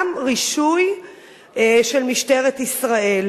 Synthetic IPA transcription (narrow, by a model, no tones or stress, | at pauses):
mʁiʃuj | ʃelmiʃte̞ʁet̪isʁael